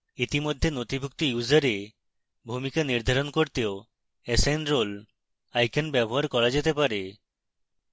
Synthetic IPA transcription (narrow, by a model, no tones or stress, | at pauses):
it̪imod̪ʱːenot̪ibʱuk̚t̪ijuzaɾe | bʱumikaniɾd̪ʱaɾonkoɾt̪eo | esajnɾol | ajkanbɛboɦaɾkɔɾad͡ʑet̪epaɾe